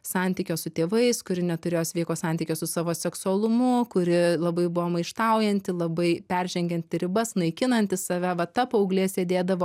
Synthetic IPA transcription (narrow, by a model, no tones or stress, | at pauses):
sɑnʲt̪ʲiːkʲoːsʊt̪ʲeːʋɐɪskʊɾʲɪnʲɛt̪ʊɾʲeːjoːsʲʋʲiːkoːsɑˑnʲt̪ʲiːkʲoːsʊsɑːʋoːsʲɛksʊɐlˠʊmʊkʊɾʲɪlˠɐbɐɪbʊʋoːmɐɪʃt̪ɐˑʊjɛnʲt̪ʲɪlˠɐbɐɪpʲɛɾʲʒʲɛŋʲɡʲɛnʲt̪ʲɪɾʲɪbɐsnɐɪkʲɪnɐnʲt̪ʲɪssɐʋʲæʋɐt̪ɑpɐʊɡlʲeːsʲeːd̪ʲeːd̪ɐʋoː